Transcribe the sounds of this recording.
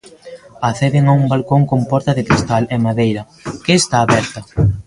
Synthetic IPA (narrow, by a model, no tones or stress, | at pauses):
aθɛðeŋaumbalkoŋkompɔɾt̪ɐðɪkɾist̪alemaðejɾɐ | kɪːst̪aːβɛɾt̪ɐ